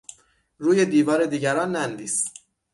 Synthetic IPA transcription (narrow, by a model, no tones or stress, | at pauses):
ɾuːje̞d̪iːvɒːɾe̞d̪iːɟæɾɒːnːænd̪iːs